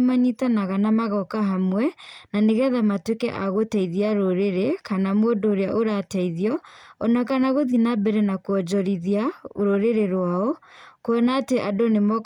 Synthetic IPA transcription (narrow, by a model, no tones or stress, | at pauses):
maɲitanaɣanamaɣɔkaɦamwɛnaneɣɛðamatwekɛ̰ʔa̰ɣotɛiðiaɾoɾeɾekanamwodoːɾeaʔoɾatɛiðiɔɔnakanaɣoðinabɛɾɛnakwɔd͡ʒɔɾiðiaoɾoɾeɾeɾwaɔkoɔnaːteʔadonemɔk